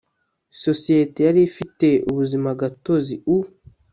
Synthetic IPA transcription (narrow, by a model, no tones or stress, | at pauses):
so̞sietejaɾifite̞uβuzimaɡatoziu